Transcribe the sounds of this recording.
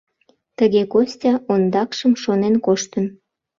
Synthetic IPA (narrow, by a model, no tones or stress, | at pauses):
t̪əɣekosʲtʲɑond̪ɑkʃəmʃonenkoʃt̪ən